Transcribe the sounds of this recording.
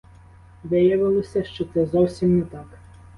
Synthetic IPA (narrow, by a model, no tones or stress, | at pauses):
ʋɪjɐʋɪlˠɔsʲɐʃt͡ʃɔt̪sɛzɔwsʲimnɛt̪ɑk